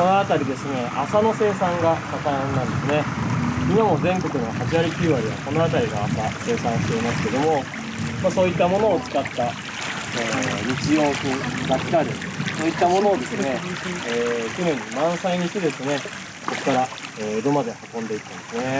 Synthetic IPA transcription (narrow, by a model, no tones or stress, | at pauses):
konoat̪aɾʲid̪e̞sɨne̞ʔasano̞se̞ːsãŋɡat̪ak̪ãnnːãnd̪e̞sɨne̞imamo̞zẽ̞ŋko̞kɯ̟no̞haʑiβaɾʲikʲiːβaɾʲiβa̰ko̞no̞at̪̬aɾʲiɡo̰asase̞ːsãɰ̃ɕi̥t̪e̞imasɨ̥ke̞d̪o̞mo̞ | maso̞ːit̪ːamo̞no̞ːt͡sɨ̥kat̪ːa | eːɲit͡ɕijo̞ːkɯɡaki̥kaɾɯ̟soːit̪ːamo̞nod̪e̞sɨneeːkʲjo̞nẽ̞ɲːimãɰ̃saiɲ̟iit̪ʲːed̪e̞sɨne̞ | koko̥kːaɾaeːed̪o̞mad̪e̞hakõ̞nd̪e̞it̪ːãnd̪e̞sɨne